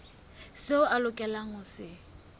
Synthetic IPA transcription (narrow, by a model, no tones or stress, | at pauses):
sɪʊʔalʊkʼɛlaŋʊsɪ